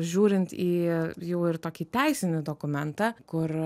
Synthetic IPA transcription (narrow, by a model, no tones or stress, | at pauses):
ʒʲuːɾʲɪnt̪iːjɛʊɪɾt̪oːkʲiːt̪ʲɛɪsʲɪnʲɪd̪oːkʊmʲɛnt̪ɑːkʊr